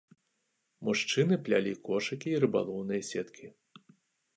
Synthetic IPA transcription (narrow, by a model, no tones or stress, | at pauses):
muʂt͡ʂɨnɨplʲalʲikʰɔʂɐkʲiːɾɨba̰lˠɔwnɨjɐsʲɛt̪kʲʰi